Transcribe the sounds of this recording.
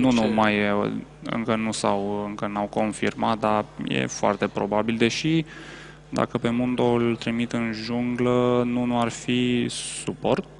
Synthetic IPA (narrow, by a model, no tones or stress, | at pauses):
nunumaj | ɨ̰ŋkənusawɨŋkənawko̞nfḭrmat̪̚d̪ajḛfoa̰rt̪e̞pɾo̞babild̪e̞ʃi | d̪a̰kəpe̞mund̪oult̪ɾimit̪ɨnʒuŋɡlənunuarfisupo̞rt̪̚